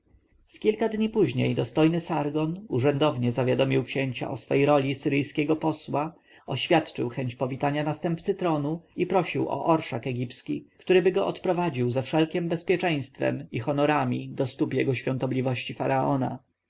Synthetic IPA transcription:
fkʲilkad̪ɲipuʑɲḛjd̪ɔst̪ɔjnɘsaɾɡɔnuʐɛnd̪ɔvɲɛzavʲjad̪ɔmʲiwkɕeɲt͡ɕa̰ʔɔsfɛjejɾɔlʲisɘɾɘjskʲɛɡɔpɔswa | ɔɕfʲjat̪t͡ʂɘ̰wxɛɲt͡ɕpɔvʲit̪aɲanast̪ɛmpt̪sɘt̪ɾɔnuipɾɔɕiwʔɔ̰ʔɔɾʂakɛɡʲipskʲḭkt̪uɾɘbɘɡɔʔɔt̪pɾɔvad͡ʑiwzɛfʂɛlkʲɛmbɛspʲjɛt͡ʂɛ̃j̃st̪fɛ̰mixɔnɔɾamʲid̪ɔst̪upjɛɡɔɕfʲjɔnt̪ɔblʲivɔɕt͡ɕifaɾaɔna̰

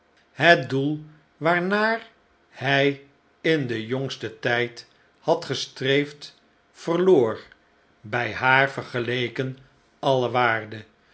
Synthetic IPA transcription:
ɦət̚dulˠ | ʋaːɹnaːɹ | hɛj | ɪndəjɔŋstətɛjt | hɑtχəstrejft | fərloːɹ | bɛjɦaːɹvəɹχəlejkən | ɑləʋaːɹdə

